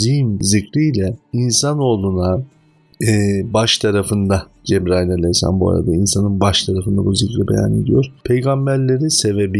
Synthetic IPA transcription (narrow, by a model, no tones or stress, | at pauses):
zijmzicɾijlʲɛinsano̞ːlˠunaː | baʃt̪ʰaɾafɯnd̪a | d͡ʒɛbɾailʲalʲɛjsa̰nbua̰ɾa̰d̪ainsanɯnbaʃt̪ʰaɾafɯnd̪abuzicɾibe̞ja̰ned̪ijo̞ɾ̥pʰe̞jɡambæɾlʲe̞ɾise̞vebi